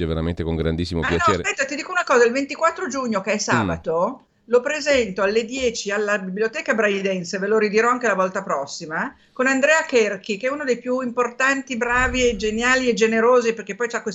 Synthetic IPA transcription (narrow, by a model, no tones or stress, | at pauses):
ɛveɾa̰mḛnt̪ekoŋɡɾa̰nd̪isːimo̰pjanɔt͡ʃeːsɾpɛt̪ːat̪id̪iːkounakɔːzailvent̪ikwat̪ːɾod͡ʒuɲːokeɛsa̰ːbat̪o | lopɾezɛnt̪oalːed̪jɛːt͡ʃialːabiblijot̪ɛːkabɾajd̪ɛnseveloɾid̪iɾɔaŋk̟elavɔlt̪apɾɔsːima | konand̪ɾɛːakɛrkikeɛunod̪ejpjuimport̪ant̪ibɾaːvied͡ʒenjaːlied͡ʒeneɾoːziperk̟epːɔjt͡ʃakwes